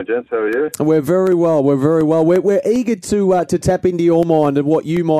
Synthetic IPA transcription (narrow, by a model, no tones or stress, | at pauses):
d͡ʒɛnshəjɨwɪɹvɛɹiwɛlˠwɪɹvɛɹiwɛlˠwɪɹwɪɹʔiːɡə˞tʰəʌtʰɨtʰɛpɪ̃ntɨjəmãɪ̃ndʌvwɒt͡ʃɨmaɪ